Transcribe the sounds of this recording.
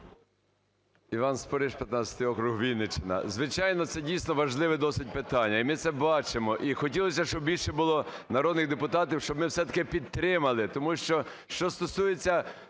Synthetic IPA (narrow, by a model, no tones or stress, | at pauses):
iʋɑnspɔɾɪʃpʲjɐt̪nɑt͡sʲɐ̥t̪ɪjɔkɾuɦʋʲilʲnet͡ʃenɐ̰zʋɪt͡ʃɑjnɔt̪sɛdʲijsnɔʋɐʒlˠɪʋɛd̪ɔsɪd̚ʲpɪt̪ɑnʲːɐimɪt̪sɛbɑt͡ʃemɔʔixɔtʲilˠɔsʲɐʃt͡ʃɔbbʲilʲʃɛbʊlˠɔnɐɾɔd̪nɪɣd̪epʊt̪ɑt̪iwʃt͡ʃɔbmɪwsɛt̪ɐkɪpʲid̪̚t̪ɾɪmɐlˠɪt̪ɔmuʃt͡ʃɔ | ʃt͡ʃɔst̪ɔsujet͡sʲːɐ